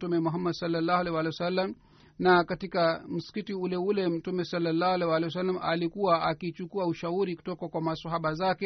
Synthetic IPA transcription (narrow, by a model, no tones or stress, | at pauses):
tumɛmuɦamːadsalːalːaːhalɛjwalɛjwasalːam | nakatikam̩si̥kitiulɛulɛm̩tumɛsalːalːaːhualɛjwalɛjwas̬alːamʔalikuwaʔakit͡ʃukuauʃauɾiku̥tɔkakwamasaɦaɓazakɛ